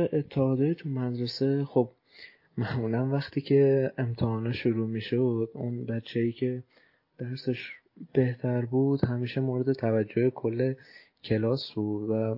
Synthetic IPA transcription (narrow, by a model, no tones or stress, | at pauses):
ʔet̪ʰːeɒːd̪eit̪ʰumæd̪ɾese̞xob | mæmulænvæxt̪ʰiːcʰe̞emt̪ʰehɒːneʃuɾuːmiːʃod̪̥unbæt͡ʃʰːejiːcʰe̞ | d̪̥æɾseʃ | b̥e̞ht̪ʰæɾbuːd̪̥hæmiːʃe̞moːɾed̪e̞t̪ʰævæd͡ʒːohekʰo̞lːe | cʰe̞lɒːsbuːd̪̥væ